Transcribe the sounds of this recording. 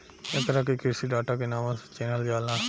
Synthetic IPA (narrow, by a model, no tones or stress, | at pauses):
ekəɾakekɪsiːɖaːʈaːkenaːmãst͡ʃeːnəld͡ʒaːlãː